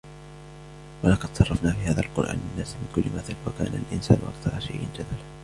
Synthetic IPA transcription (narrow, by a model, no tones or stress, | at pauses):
walɑqɑd̪̥sˤɑrˤːɑfnaːfiːhaːðalqʊɾʔa̰ːnɪnːaːsmɪnkʊlːɪmaθalwaka̰ːna̰lʔɪnsa̰ːnʊʔɑ̰kt̪ɑɾˤɑʃajʔɪnd͡ʒad̪al